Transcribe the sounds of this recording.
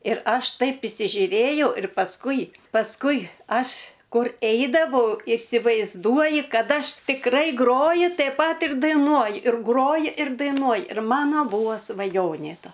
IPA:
ɪr ˈɐʃ ˈtɐɪp ɪsʲɪʒʲʊˈrʲeːjɛʊ ɪr pɐsˈkʊɪ pɐsˈkʊɪ ˈɐʃ ˈkʊr ˈɛɪdɐʋɐʊ ɪsʲɪʋɐɪzˈduɔjɪ ˈkɐt ˈɐʃ tʲɪkˈrɐɪ ˈɡroːjɪ tɐɪp ˈpɐt ɪr dɐɪˈnuɔjɪ ɪr ˈɡroːjɪ ɪr dɐɪˈnuɔj ɪr ˈmɑːnoː ˈbuːʋoː sʋɐˈjoːnʲeː ˈtɐ

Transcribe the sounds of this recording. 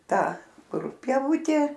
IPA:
ˈtɑː ˈkʊr pʲiɛˈʋʊtʲeː

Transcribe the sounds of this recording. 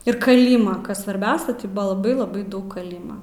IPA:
ɪr kɐˈlʲiːmɐ ˈkɐs sʋɐrʲˈbʲɛʊsʲɛ tʲɪ ˈbʊɐ lˠɐˈbɐɪ lˠɐˈbɐɪ ˈdɐʊk kɐˈlʲiːmɐ

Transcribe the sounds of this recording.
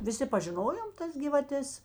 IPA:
ʋʲɪˈsʲɪ pɐʒʲɪˈnoːjoːm ˈtɐs ɡʲiːʋɐˈtʲɛs

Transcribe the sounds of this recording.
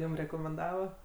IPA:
ˈjuːm rʲɛkoːmʲɛnˈdɑːʋɐ

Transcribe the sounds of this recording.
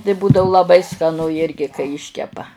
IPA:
tɐɪ ˈbuːdɐʋʊ lˠɐˈbɐɪ skɐˈnʊ ˈjɪrʲɡʲɪ kɐɪ ˈɪʃʲkʲɛpɐ

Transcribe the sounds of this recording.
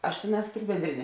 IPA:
ɐʃ ˈtʲeːˌnɑːs tʲɪk bʲɛnʲˈdʲrʲɪnʲɛ

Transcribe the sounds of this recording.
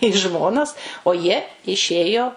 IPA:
iː ˈʒmoːnɐs oː ˈjiɛ ɪˈʃʲeːjoː

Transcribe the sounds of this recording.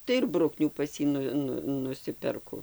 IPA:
tɐɪ ɪr ˈbrʊknʲuː ˈpɐs jiː ˈnʊ ˈnʊ nʊˈsʲɪpʲɛrkʊ

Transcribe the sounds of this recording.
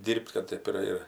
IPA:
ˈdʲiːrʲpʲtʲ kɐt ˈtɜp ɪr ɪr

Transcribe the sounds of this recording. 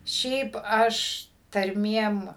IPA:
ˈʃʲɛɪp ˈɐʃ tɐrʲˈmʲiɛm

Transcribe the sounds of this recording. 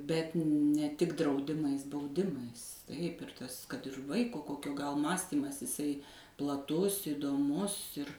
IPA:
bʲɛt nʲɛ ˈtʲɪk drɐʊˈdʲɪmɐɪs bɐʊˈdʲɪmɐɪs tɐɪp ɪr ˈtɐs kɐt ɪr ˈʋɐɪkoː ˈkoːkʲoː ɡɐlˠ ˈmɑːsʲtʲiːmɐs ɪˈsɐɪ plˠɐˈtʊs iːdoːˈmʊs ɪr

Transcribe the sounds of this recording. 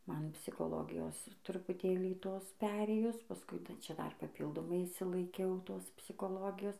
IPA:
ˈmɐn pʲsʲɪkoːˈlˠoːɡʲɪjoːs trʊpʊˈtʲeːlʲiː ˈtoːs ˈpʲæːrʲeːjʊs pɐˈskʊɪ tɐɪˈt͡ʃʲɛ ˈdɐr pɐˈpʲiːlˠdoːmɐɪ ɪʃʲsʲɪlˠɐɪˈkʲɛʊˈtoːs pʲsʲɪˈkoːlˠoːɡʲɪjoːs

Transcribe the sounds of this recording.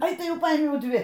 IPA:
ˈɐɪ ˈtɐɪ ˈjɛʊ ˈpɐɪmʲɛʊ ˈdʲʋʲɪ

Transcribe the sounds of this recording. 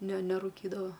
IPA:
nʲɛ nʲɛrʊˈkʲiːdɐʋɐ

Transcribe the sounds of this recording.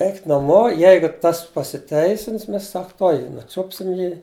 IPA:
ˈɛɪkʲɪt nɐˈmoː ˈjɛɪɡʊ ˈtɐs pɐsʲɪˈtʲɛɪsʲɪns ˈmʲɛs ˈsɐk ˈtuɔj ˈjiː nʊˈt͡ʃʊpʲsʲɪm ˈjiː

